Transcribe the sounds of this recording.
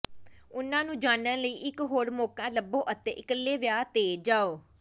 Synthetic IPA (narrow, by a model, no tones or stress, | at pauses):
ʊnãːnũːd͡ʒaːnənləiːʔɪkɦoːɾmoːkãːləbõːʔət̪ẽːʔɪkəlːeːʋjaːt̪eːd͡ʒaːoː